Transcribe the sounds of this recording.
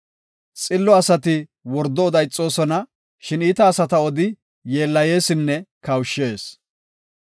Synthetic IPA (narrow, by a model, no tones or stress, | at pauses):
t͡sʼɪlːɔɐsɐt̪ɪwɔɾd̪ɔɔd̪ɐjt͡sʼːo̞ːsɔnɐ | ʃɪniːt̪ɐːsɐt̪ɐɔd̪ɪ | je̞ːlːɐje̞ːsɪnːɛkɐwʃːeːs